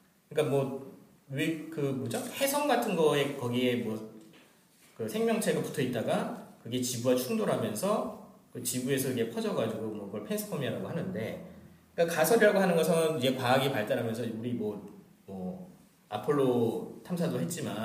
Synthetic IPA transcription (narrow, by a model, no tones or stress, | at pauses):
kɯɲik͈amwʌ | wekɯmod͡ʑohe̞sʰʌŋɡatʰɯnɡʌe̞kʌɡie̞mwʌ | kɯsʰe̞ŋmjʌŋt͡ɕʰe̞ɡapu̥tʰʌit̚t͈aɡakɯɡe̞t͡ɕibuwat͡ɕʰuŋdoɾɦamjʌnsʰʌkɯt͡ɕibue̞sʰʌiɡe̞pʰʌd͡ʑʌɡad͡ʑuɡomʌɡʌɭpʰens͈ʰɯ̥pʰʌmiaɾaɡoɦanɯnde̞ | k͈akasʰʌɾiɾaɡoɦanɯnɡʌsʰʌnid͡ʑe̞paːɡipaɭt͈aɾɦamjʌnsʰʌuɾimwʌ | mwʌ | a̰pʰɯɭːotʰamsʰadoɦe̞t̚t͡ɕ͈ima